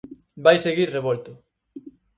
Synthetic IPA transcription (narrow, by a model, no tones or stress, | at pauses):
bajseɣiɾreβolt̪ʊ